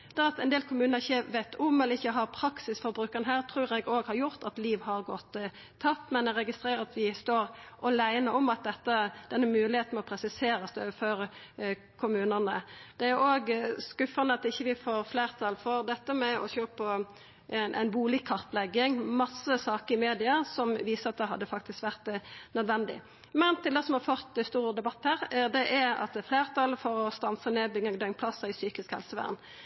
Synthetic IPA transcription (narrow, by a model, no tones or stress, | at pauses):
d̪̥ɛɑt̪ɛɪnd̪eːlkʰʊmʉːnəʁɪçːəʋæɪt̪ːʊmɛlːəɪçːəɦɑʁpʰɾɑksɪsfɔɾbɾʉːkːəʁənəɦæːʁt̪ʰɾʉːʁɛɡoːɡhɑɾjʊɾt̪ɑt̪liːʋhɑʁɡɔt̪ʰː | ɑp̚t̪ːmɛnd̪ɛʁɛɡɪst̪ɾeːɾəɾɑt̪ʋɪst̪oːɾʔɔlæɪnəɔmɑt̪̚d̪ɛt̪ːəd̪̥ɛnːəmʉːlɪheːt̪n̩mɔpʰɾɛsɪseːɾəsd̪øːʋəføːɾə | kʰʊmʉːnənəd̪̥ɛæɾoːɡskʉfənəɑt̪ɪçːəʋɪfoːɾfleːʁt̪ʰɑlfɔɾd̪ɛt̪ːəmɛɔ̰çøːpɔ | nʔæ̰ɪnbuːlɪkʰːɑʁt̪lɛɡɪŋmɑsːəsɑːkəɾɪmeːd̪ɪɑsɔmʋiːsəɑt̪̚d̪ɛɦɑ̰d̪ːəfɑk̚t̪ɪskʋæʁt̪nœd̪ʋɛnd̪ɪ̰ | mɛnt̪ɪld̪ɛsɔmhɑfɔʁt̪st̪uːʁəd̪ɛbɑt̪ːhæːʁd̪ɛʔæɾɑ̰t̪̚d̪ɛfleːʁt̪ʰɑlfɔɾɔst̪ɑnsəneːbɪŋəŋd̪ɛŋpʰlɑsːəɪsyːkɪskhɛ̰lsəʋæ̰ːʁn